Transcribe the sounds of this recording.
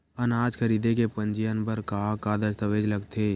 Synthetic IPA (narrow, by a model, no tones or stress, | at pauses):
ɐnaːd͡ʒkʰəɾiːd̪ekepə̃nd͡ʒijənbəɾkakad̪əst̪əʋeːd͡ʒləɡt̪ʰeː